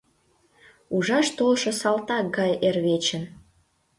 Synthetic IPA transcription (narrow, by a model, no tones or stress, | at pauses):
uʒɑʃt̪olʃɤ̆sɑlt̪ɑk̚ɡɑjerβet͡ɕə̆n